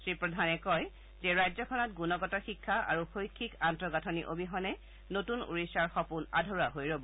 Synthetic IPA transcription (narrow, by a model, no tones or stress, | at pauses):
sɹipɹɔdʱanɛkɔj | zɛɹajzɔkʰɔnɔtɡunɔɡɔtɔxikʰːaa̰ɹuxojkʰːikantɹɔɡatʰɔniʔobʱiɦɔnɛ | notunṵɹisaɹxɔpuna̰dʱɔɹaɦojɹobɔ